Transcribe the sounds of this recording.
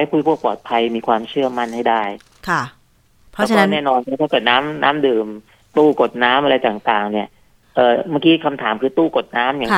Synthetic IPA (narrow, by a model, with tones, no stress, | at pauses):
a˥˩jkʰu˧˩jpʰu˥˩ək̚pɔː˨˩t̪̚pʰa˧jmiː˧kʰwaː˧mt͡ɕʰɯ˥˩ɐəma˥˩nha˥˩jdaː˥˩j | kʰa˧˩ | pʰɔ˦˥t͡ɕʰːnɛː˥˩nɔː˧nkːt̪ʰa˥˩kɤː˨˩t̪̚naː˦˥mnʔaː˦˥mdɯː˨˩m | t̪uː˥˩ko˨˩t̪̚naː˦˥mʔa˧ɾa˧jt̪aː˨˩ŋt̪aː˨˩ŋni˥˩ɐ | ʔɤː˨˩maː˥˩kiː˦˥kʰa˧mt̪ʰaː˩˦mkʰɯː˧t̪uː˥˩ko˨˩t̪̚naː˦˥mja˨˩˦